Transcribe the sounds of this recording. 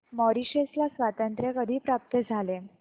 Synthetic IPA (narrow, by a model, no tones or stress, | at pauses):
mɔɾiɕeslasʋat̪ənt̪ɾjekəd̪ʱiːpɾap̚t̪əd͡zʱale